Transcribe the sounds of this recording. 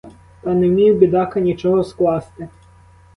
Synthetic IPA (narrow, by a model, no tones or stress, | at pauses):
t̪ɑnemʲiwbʲid̪ɑkɐnʲit͡ʃɔɦɔsklˠɑst̪ɪ